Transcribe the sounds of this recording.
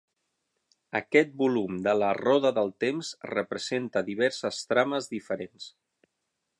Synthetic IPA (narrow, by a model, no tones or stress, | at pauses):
əkɛt̪̚bulumd̪ələrɔðəðəlˠt̪emzrəpɾəzent̪əðiβ̞ɛɾsəst̪ɾaməzðifəɾens